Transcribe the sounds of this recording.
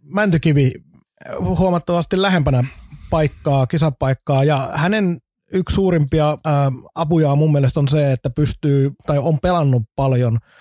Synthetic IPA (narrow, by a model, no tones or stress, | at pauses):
mænt̪ykiʋi | huɑmɑt̪ːɑʋɑst̪illæhempænæpɑikːɑːkisɑpɑikːɑːjɑhænen | ykssuːrimpiɑː | ɑpujɑːmumːielest̪onseet̪ːæpyst̪yːt̪ɑiompelɑnːupɑljon